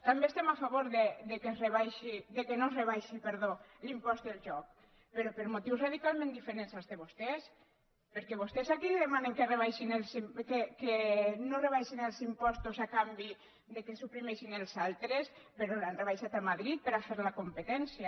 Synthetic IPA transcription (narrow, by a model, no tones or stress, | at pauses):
t̪ambeːst̪emafaβoɾðed̪ekereβajʃiðekenoreβajʃipeɾð̞olimpɔst̪d̪elˠʒɔk̚ | peɾopeɾmot̪iwsraðikalˠmẽnd̪ifeɾensazt̪eβost̪es | peɾkɛβost̪esakiliðemaneŋkereβ̞ajʃinelsmkekenoreβ̞ajʃinelˠzimpɔst̪usakambi | ðekesupɾimeʃinelˠzalˠt̪ɾes | peɾoanreβajʃat̪amaðɾit̪̚peɾafeɾlakompet̪ɛnsja